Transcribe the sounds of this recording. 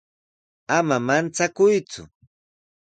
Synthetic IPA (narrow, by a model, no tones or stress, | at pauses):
amamant͡sakʊjt͡sʊ̰